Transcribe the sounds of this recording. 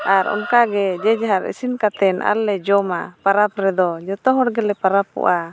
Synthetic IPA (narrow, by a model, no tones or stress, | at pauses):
ʔaɾɔ̰nkaɡɛd͡ʒɛd͡ʒaɦaɾḭsinkat̪ɛnʔa̰lːɛd͡ʒɔmapaɾapɾɛd̪ɔd͡ʒɔt̪ɔɦɔɽɡɛlɛpaɾapɔ̰ʔa